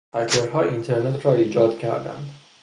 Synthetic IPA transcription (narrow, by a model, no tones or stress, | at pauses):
æɾkʰeɾɦɒːint̪ʰeɾnet̪ʰɾɒːiːd͡ʒɒːd̪̥cʰæ̰ɾd̪æ̰nd̪̥